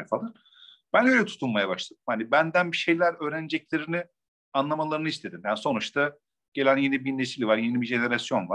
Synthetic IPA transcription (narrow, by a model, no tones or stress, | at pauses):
falˠɯɾ | b̥ænø̞jlʲɛt̪ʰu̥t̪ʰulˠmajabaʃlˠad̪̥ɯmhanibænd̪ænbiʃe̞jlʲæɾø̞ːɾened͡ʒɛclʲe̞ɾinɪ | anlˠamalˠaɾɯnɯist̪ʰe̞d̪imjaniso̞nut͡ʃt̪ʰa | ɟ̥e̞lʲænje̞nibinesilʲvaɾje̞nibiʒe̞ne̞ɾasjo̞nvaɾ̥